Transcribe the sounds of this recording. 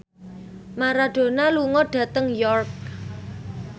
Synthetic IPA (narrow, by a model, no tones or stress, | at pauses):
maɾaɖ̥o̤naluŋɔɖ̥ä̤t̪əŋjɔrk̚